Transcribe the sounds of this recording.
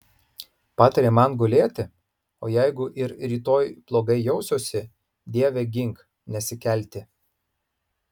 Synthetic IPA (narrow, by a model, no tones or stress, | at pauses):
pɑːt̪ɐɾʲeːmɐnɡolʲeːt̪ʲɪ | oːjæɪɡʊʔɪɾɾʲiːt̪oːjplˠoːɡɐɪjɛʊsʲoːsʲɪ | d̪ʲiɛʋʲeɡʲɪŋk | nʲɛsʲɪkʲɛlʲt̪ʲɪ